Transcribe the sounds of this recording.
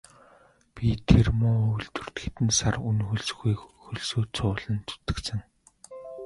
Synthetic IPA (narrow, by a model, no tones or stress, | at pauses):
pʲit̪ʰermʊːojɮt̪ɵ̥̆r̥t̪ɡet̪ɘ̆nsarunxɵɮs̆ɣujxɵɮsoːt͡sʰʊːɮə̆nt͡s̪u̥t̪ɘ̆ksɘ̆ŋ